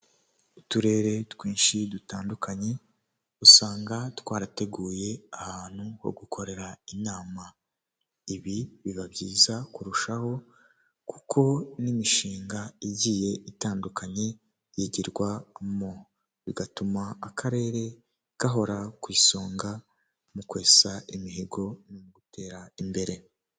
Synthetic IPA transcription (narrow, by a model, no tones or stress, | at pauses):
utuɾe̞ːɾe̞twiːnʃidutaːndukʰaɲe̞ | usaːŋɡatwaːɾate̞ɡuːje̞ahaːn̥huho̰ɡukʰo̞ɾe̞ɾainaːma | iβiβiβabɟiːzakuɾuʃaho̞ | ku̥kʰo̞nimiʃiːŋɡaiɟiːje̞ʔitaːndukʰaɲe̞ | jiɟiɾɡwamo | βiɡatumaːkʰaɾe̞ːɾe̞ | ɡ̥aɦo̞ɾakwiːso̞ːŋɡa | mukwe̞ːsaʔimiɦeɡo̞nomuɡute̞ːɾaimbe̞ɾe̞